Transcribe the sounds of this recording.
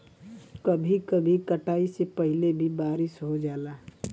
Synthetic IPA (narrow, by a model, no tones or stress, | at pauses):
kɐbʱikɐbʱikɐʈaːisepɐɦɪlebʱibaːɾɪʃɦod͡ʒaːlaː